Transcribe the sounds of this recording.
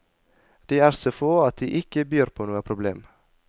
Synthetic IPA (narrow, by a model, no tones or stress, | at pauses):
d̪̥iːæːɾsoːfoːɑt̪̚d̪iːʔɪkəbyːɾpʰoːnuːəpʰɾʊblḛːm